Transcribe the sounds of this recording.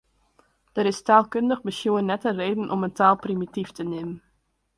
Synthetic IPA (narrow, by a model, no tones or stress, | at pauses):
d̥əɾɪstaːlˠkøndəxbəsjuənɛtəreːdən̩ʔɔməntaːlˠprimitiftənemən